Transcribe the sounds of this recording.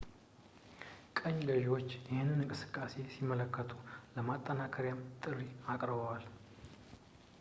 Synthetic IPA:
kʼəɲːɡəʒiwo̞t͡ʃːjɪhɨnːɨnɨŋkʼɨsɨ̥kʼːase̞simːələkːət̪ʰuləmat̪ʼːənakʰəɾijamt̪ʼɨrːiakʼɾɨbəwal

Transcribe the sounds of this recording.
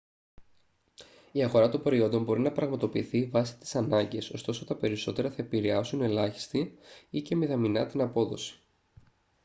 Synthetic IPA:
iɐɣo̞ɾɐt̪o̞mbe̞ɾio̞nd̪o̞mbo̞ɾinɐpɾɐɣmɐt̪o̞piːθivɐsi̥t̪i̥sɐnɐɲɟe̞so̞st̪o̞sot̪ɐpe̞ɾiso̞t̪e̞ɾɐθɐe̞piɾeɐsune̞lɐçi̥st̪iice̞miðɐminɐt̪inɐpo̞ðo̞̰si̥

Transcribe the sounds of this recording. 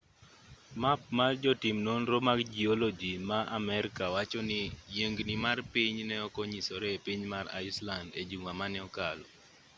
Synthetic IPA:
map̚mard͡ʒɔtimnonɾomaɡd͡ʒiɔlod͡ʒimaʔamɛɾkawat͡ʃɔnɪjeŋɡnɪmarpiɲnɛɔkɔɲisɔɾɛpiɲmara̰ɪslanded͡ʒuŋamanɛɔkalɔ̰

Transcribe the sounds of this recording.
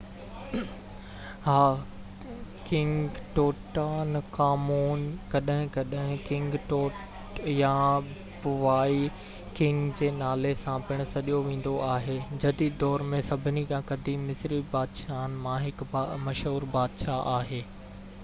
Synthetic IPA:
haː | kɪ̃ŋɡɡʈoːʈaːnkaːmuːnkɐɗɦɪ̃kɐɗɦɪ̃kɪ̃ŋɡʈoːʈ | jã | bʊʋaːi | kɪ̃ŋɡd͡ʑeːnaːlesãpɪɽ̃ʊ̆sɐɗijoʋẽːn̆d̪oʔaːɦeːd͡ʑɐd̪iːd̪̚d̪ɔːɾmẽsɐbʱɪnikãkɐd̪ʱimɪsɾibaːd̪ʃaːnmãɦɪkːmɐʃɦuːɾbaːd̪ʃaʔaːɦeː

